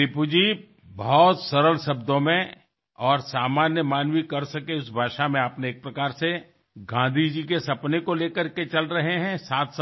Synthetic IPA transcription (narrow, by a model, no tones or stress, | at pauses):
ɪpud͡ʒi | bɔɦɔt̪sɐɾəlsɐb̚d̪õmẽ | ɔːɾsaːmaːnjəmaːnwikɐɾsɐkeʊsbʱaːʃamẽɐpneːk̚pɾɐkaːɾse | ɡãːd̪ʱid͡ʒikesɐpnekoleːkəɾket͡ʃɐlɾɐɦeɦɛ̃saːt̪ʰs